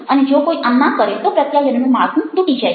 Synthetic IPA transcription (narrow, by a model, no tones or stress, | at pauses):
əned͡ʒokoːiʔənːakəɾet̪opɾət̪jajənənẽmaːɡũd̪ʱuʈid͡ʒae